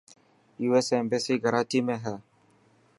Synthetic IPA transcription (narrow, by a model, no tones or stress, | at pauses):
iwɛsɛmbesiɡaɾatimɛɦɛ